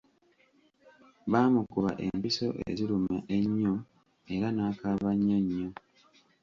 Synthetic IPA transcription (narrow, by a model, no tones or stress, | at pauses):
βaːmukuβa̰ʔḛmpiso̞ʔḛzilumaʔe̞ɲːo | e̞ɾanaːkaβaɲːoɲːo